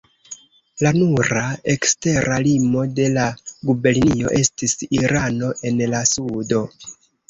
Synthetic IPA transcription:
lanuɾae̞kste̞ɾʔalimo̞de̞laɡube̞ɾnio̞̰ʔe̞stisiɾano̞ʔe̞nlasudo̞

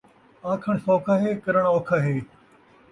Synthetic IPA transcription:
ãːkʰəɳsoːkʰaːɦeːkəɾəɽ̃oːkʰaːɦeː

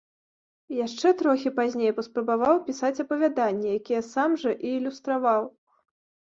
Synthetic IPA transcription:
jaʂt͡ʂɛt̪ɾɔxʲipazʲnʲejpɐspɾɐbavawpʲisat͡sʲɐpɐvʲad̪anʲːɛjakʲijɛsamʐɐʔiːlʲust̪ɾavaw

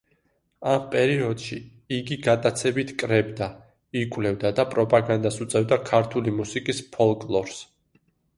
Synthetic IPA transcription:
ampʼɛɾiɔd̪̥ʃi | iɡiɡad̪ʼat̪sʰɛbit̪ʰkʼɾɛbd̪a | ikʼwlɛvd̪ad̪apʼɾɔpʼaɡand̪asut̪sʼɛvd̪akʰaɾt̪ʰulimusikʼispʰɔlˠkʼlˠɔɾs

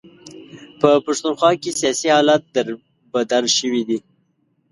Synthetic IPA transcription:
pəpaʃt̪unxwɑkesijɑsihɑlat̪̚d̪əɾ | bad̪alʃəwid̪i

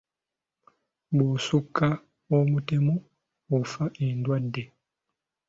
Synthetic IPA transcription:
busukːa | omutemo | ofaʔendwadːe

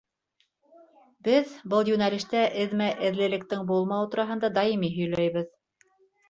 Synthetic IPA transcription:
bɘðbɤlˠjunɑlʲiʃt̪æʔɘ̆ðmæʔɘ̆ðlɘ̆lɘ̆k̚t̪ɘŋbulˠmɑwt̪uɾɑɦɤ̆nd̪ɑd̪ɑjimiɦɵ̆jlæjβɘð

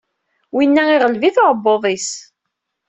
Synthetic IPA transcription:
winːæɪʁəlviθoɾˤəbːoðˤis

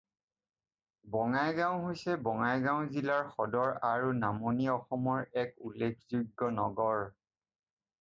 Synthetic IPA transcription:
bɔŋajɡãw̃ɦojsɛbɔŋajɡaw̃zilaɹxɔdɔɹaɹunamoniɔxɔmɔɹɛkulːekʰzuɡːɔnɔ̰ɡɔɹ

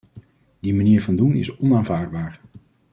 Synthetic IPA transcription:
dimaniːɹvɑndunɪ̰sɔnaːnvaːɹdbaːɹ

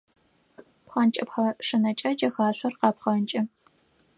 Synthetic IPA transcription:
pχɐnt͡ʃʼɐpħɐʂɨnɐt͡ʃʼɐd͡ʒɐxaːɕʷʰɐrqɑːpχɐnt͡ʃʼɐ

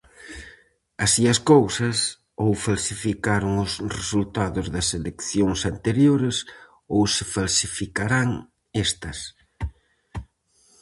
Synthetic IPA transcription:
asiɐskowsɐs | owfalsifikaɾʊŋʊsresult̪aðʊzðɐselekθjoŋsant̪eɾjoɾes | owsefalsifikaɾaŋ | est̪ɐs

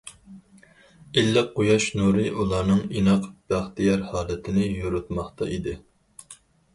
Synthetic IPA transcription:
ilːɛqʰojɑʃnuɾɨʔulˠɑɾnɨŋinɑqb̥æχt̪ijɑɾhɑːlˠɨt̪ʰɪnɪjoɾut̪mɑχt̪ɑʔid̪ɪ

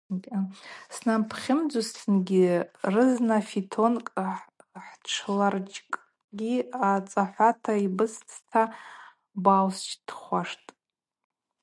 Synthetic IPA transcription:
snampʰχʲɪmd͡zʊstʰɨnɡʲirɨznafitʰo̞nkʼ | ħʈ͡ʂʰlart͡ʃʼkʼ | ɡʲiat͡sʼaħʷatʰaibɨst͡sʰtʰa | bawst͡ʃʰd̥χʷaʂtʼ

